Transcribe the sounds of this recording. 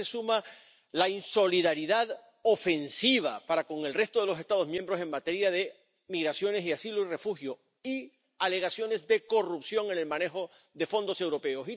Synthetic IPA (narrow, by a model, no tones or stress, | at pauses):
esuma | lainso̞liðaɾiðað | o̞fe̞nsiβ̞apaɾako̞ŋe̞lre̞st̪o̞ð̞e̞lo̞sest̪að̞ozmjembɾo̞se̞ŋmat̪e̞ɾjaðe̞ | miɣɾasjo̞ne̞siasiloire̞fuxjo | i | ale̞ɣ̞asjo̞ne̞zðe̞ko̞rupsjo̞ŋe̞ne̞lmãne̞xo̞ | ðe̞fo̞nd̪o̞se̞wɾo̞pe̞o̞si